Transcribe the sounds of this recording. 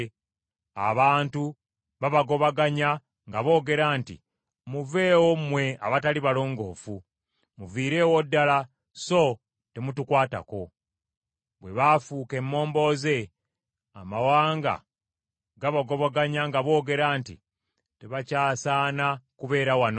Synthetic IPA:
a̰βaːntu | βaβaɡo̞βaɡaɲa | ŋɡaβo̞ːɡe̞ɾaːntḭ | muve̞ːwomwe̞a̰βataliβalo̞ːŋɡo̞ːfu | muviːɾe̞ːwodːala | so̞ | te̞mutukwaːta̰ko̞ | βwe̞βafuke̞mːo̞ːmbo̞ze̞ | amawaːŋɡa̰ | ɡaβaɡo̞βaɡaɲaŋɡaβo̞ːɡe̞ɾaːntḭ | te̞βacaːsaːnakuβe̞ːɾawano

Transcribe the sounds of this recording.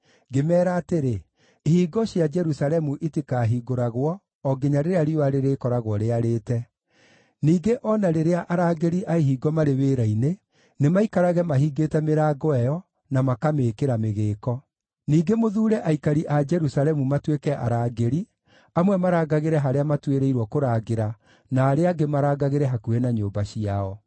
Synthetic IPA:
ɡemɛːɾaːteɾe | ihiːɡɔɕjad͡ʒɛɾusalɛmuʔitikaːɦiɡoɾaɣwɔː | ɡeɲaɾeɾeaɾioaɾeɾeːkɔɾaɣwɔɾeaɾeːtɛ | niːɡeʔɔnaɾeɾeaʔaɾaːɡeɾiʔaiɦiːɡɔmaɾeβeːɾaine | nemaikaɾaɣɛmaɦiːɡetɛmeɾaːɡɔɛjɔ | namakameːkeɾameɣeːkɔ | niːɡemoðuːɾɛʔaikaɾiʔad͡ʒɛɾusalɛmumatwekɛʔa̰ɾaːɡeɾi | amwɛmaɾaːɡaɣeɾɛɦaɾeamatweɾeiɾwɔkoɾaːɡeɾa | naːɾeaɡemaɾaːɡaɣeɾɛɦakuenaɲoːmbaɕiaɔ

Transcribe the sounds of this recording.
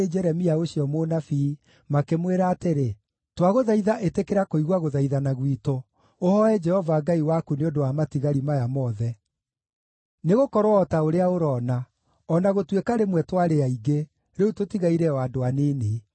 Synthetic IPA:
ed͡ʒɛɾɛmiaoɕiɔmonafi | makemweɾaːteɾe | twaɣoðaiðaʔetekeɾakoiɣwaɣoðaiðanaɣwito | ohɔɛd͡ʒɛhɔvaɡaiwakuneodowamatiɣaɾimajamɔðɛ | neɣokɔɾwːtaoɾeaoɾɔːna | ɔnaɣotwekaɾemwɛtwaɾeaiɡe | ɾeutotiɣaiɾɛwadoanene

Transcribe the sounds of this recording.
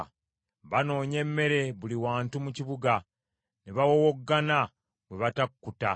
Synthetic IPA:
βano̞ːɲe̞mːe̞ɾe̞βuliwaːntumuciβuɡa | neβawowoɡːana | we̞βatakːuta

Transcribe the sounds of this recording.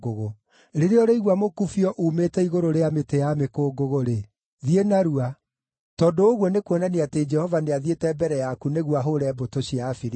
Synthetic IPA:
oɣo | ɾeɾeɔɾeiɣwamokufiɔʔumetɛiɣoɾoɾeametejamekoːɡoɣoɾe | ðienaɾua | tɔndoːɣwɔnekwɔnaneated͡ʒɛhɔvaneaðietɛbɛɾɛjakuneɣwaɦoɾɛːbotoɕiafiɾ

